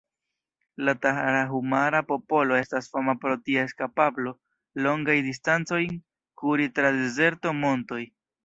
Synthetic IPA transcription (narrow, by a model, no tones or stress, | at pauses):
lataɦaɾaɦumaɾapo̞po̞lo̞e̞stasfamapɾo̞tioeskapablo̞ | lo̞ŋɡajdis̬tant͡so̞jn | kuɾitɾade̞ze̞ɾtomo̞nto̞j